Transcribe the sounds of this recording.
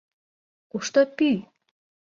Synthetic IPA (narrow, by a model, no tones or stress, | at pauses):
kuʃt̪ɤpy